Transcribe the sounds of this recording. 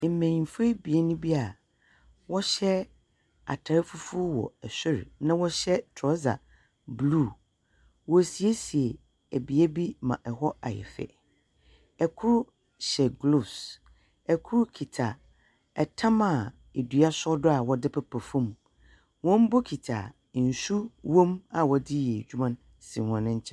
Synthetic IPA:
mẽ˨ĩ˨fe˦bi˨e˦nʊ̃˦bi˦a˨ | wɔ˦ɕɛ˦ | a̰˨tʰa˨ɾɪ˦fu˦fu˦wɔ̰˨ɛ˨sɪ˦ɾnã˦wɔ˦ɕɛ˦tʰɾɔ˦za̰˨ | bluː˦˨ | wɔ˨si˨e˦si˨e˨ | æ˨bi˨e˦bi˦mã̰˨ʔɛ˨hɔ˦a̰˨jɛ̰˨fɛ̰˨ | ɛ˨kʰʊ˦ɾ | ɕɛ˨ɡlu˨s | ɛ˨kʰʊ˦ɾkʰi˨tʰa˨ | ɛ˨tʰã˦mã˨ | e˨du˨a˦sɔ˦dʊ˦a˨wɔ˨dɪ˦pʰɛ˨pʰɛ˨fũ˦m | wɔ̃˦m˦bɔ˦kʰi˨tʰa̰˨ | n̩˨su˦wɔ̃˦ma˨wɔ˨dɪ˦jɛ˨d͡ʑᶣu˦mã˦n | sĩ˨hɔ̃˨nɪ̃˦ɲ̩˦t͡ɕʰɛ̃˦

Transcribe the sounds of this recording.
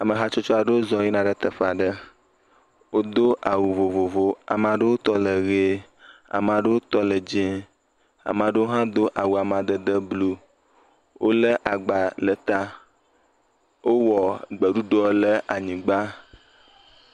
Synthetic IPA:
a˨mə˨ɦa˦t͡ʃɔ˦t͡ʃɔ˦a˨ɖə˦wo˦zɔ̃˨ji˦nã˦ɖə˦t̪ə˨fa˨ɖə˦ | wo˦d̪o˦ʔa˨wu˨vo˨vo˨vo˦a̰˨m˨ã˨ɖə˦wo˦t̪ɔ˦lə˨ɣe˦ | a̰˨m˨ã˨ɖə˦wo˦t̪ɔ˦lə˨d͡ʒẽ˦ | a̰˨m˨ã˨ɖə˦wo˦ɦã˦d̪o˦ʔa˨wu˨a˨mã˨d̪ə˦d̪ə˦blu˦ | wo˦lə˦ʔa˨ɡ͡ba˨lə˨t̪a˦ | wʔo˦wɔ˨ɡ͡bə˨ɖu˦ɖɔ˦lə˦ʔa˨ɲĩ˨ɡ͡ba˦

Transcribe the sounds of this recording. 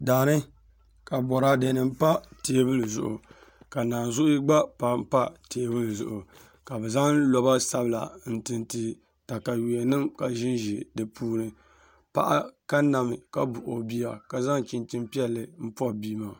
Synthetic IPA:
daː˨nɨ˦ | ka˨bɔ˨ɾa˦dɛ˨˦nɨ˨m̩˦pa˦teː˦bɨ˦lɨ˨zʊ̰˨ʔʊ̰˨ | ka˨naː˨n˨zʊ˦ʔʊ˦ɡ͡ba˦pa˨m̩˦pa˦teː˦bɨ˦lɨ˨zʊ̰˨ʔʊ˨ | ka˨bɛ˨za˦ŋlɔ˨ba˦sa˦bla̰˨n̩˨tɨ˨nti˦ | ta˨ka˨wi˨ɛ˨nɨ˦mka˨ʒɪ˦nʒi˨dɨ˨pʰuː˦nɨ˨ | pa̰˦ʔa˦ka˦na˨mɨ˨ka˦bu˨ʔo˨bi˦a˨ka˨za˦ŋt͡ʃi˨nt͡ʃɪ˦mpi˦ɛ˦lːɨ˨m̩˦pɔ˦bi˦ma˨

